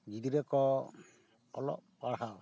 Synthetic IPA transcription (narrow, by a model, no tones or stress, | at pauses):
ɡid̪iɾɛkɔ | ɔlɔ̰ʔpaɽɦa